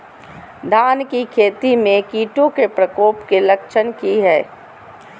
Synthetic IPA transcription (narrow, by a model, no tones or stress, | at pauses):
d̪ʱaːnkikʰeːt̪imẽkiːʈõkepɾɐkoːpkelɐkʃənkiɦɛː